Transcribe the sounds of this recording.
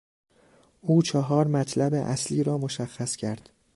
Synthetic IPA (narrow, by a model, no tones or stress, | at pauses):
ʔuːt͡ʃʰɒɦɒːɾmæt̪ʰlæbeʔæsliːɾɒːmoʃæxːæscʰæɾd̪̥